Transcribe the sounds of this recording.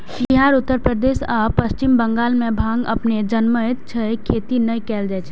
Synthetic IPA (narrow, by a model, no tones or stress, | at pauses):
biɦaːɾʊt̪ːəɾpɾəd̪eːsapəst͡ʃɪmbə̃ŋɡaːlmẽbʱãːŋɡɐ̰pned͡ʒənməɪt̪t͡ʃʰəekʰeːt̪inəjkɛːld͡ʒɛːt͡ʃʰ